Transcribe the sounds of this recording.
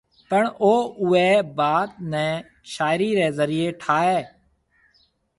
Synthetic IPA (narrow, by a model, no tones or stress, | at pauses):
pəɳoːʊːeːbaːt̪̚nɛ̃ː | ʃaːɪɾiːɾeːzəɾiːeːʈʰaːɛː